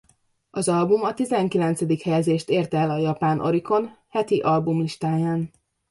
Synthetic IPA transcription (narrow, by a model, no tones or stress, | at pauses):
ɒzɒlbumɒt̪izɛŋkilɛnt̪sɛd̪ikhɛjɛzeːʃt̪eːrt̪ɛlɒjɒpaːnʔo̞̰ɾiko̞nhɛt̪iʔɒlbumliʃt̪aːjaːn